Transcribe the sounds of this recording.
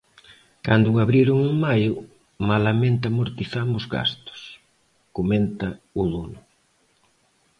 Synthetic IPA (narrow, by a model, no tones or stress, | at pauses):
kand̪ʊaβɾiɾʊŋʊmajʊ | malamẽnt̪amoɾt̪iθamʊzɣa̰st̪ʊ̥s | koment̪ɐʊðunʊ